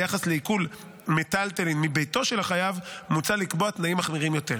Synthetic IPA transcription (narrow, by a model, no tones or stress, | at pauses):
jaχasle̞ikul | metalt̪elinmibejto̞ʃe̞laχajavmut͡salikboatnaimaχmiʁimjo̞teʁ